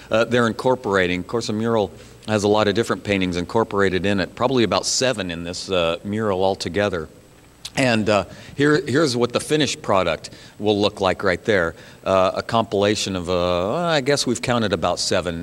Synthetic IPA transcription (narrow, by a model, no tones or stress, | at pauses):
ðə˞ɨ̃nkʰɔɹpə˞eɪɾɪ̃ŋv̥kʰɔɹsəmjʊɹl̩ˠ | ɨzəlɔɾʌvdɪfɹɨ̃npʰẽɪ̃ɾ̃ɪ̃ŋzɨ̃nkʰɔɹpə˞eɪɾɨɾɪ̃nɨt̚pʰɹ̥ɑbəbliɨbaʊtsɛvɨ̃nɨ̃nðɪsʌmjʊɹl̩ˠɔlˠtʰɨɡɛðə˞ | ɨ̃nhiɹhɪɹzwʌt̪̚ðəfɪ̃ñɨʃpʰɹ̥ɑɾɨk̚t̚wəlˠʊklaɪkɹaɪt̪̚ðə˞ʔə̰kʰɑ̃mpəleɪʃɨ̃nʌvʌaɪɡɛswiv̥kʰãʊ̃ɾ̃ɨɾɨbaʊtsɛvɨ̃n